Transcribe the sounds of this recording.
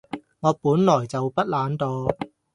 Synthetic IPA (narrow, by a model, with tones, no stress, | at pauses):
ŋɔː˨˧puː˨˥nlɔː˨˩jt͡sɐ˨wpɐ˥t̚laː˨˥nt̪oː˧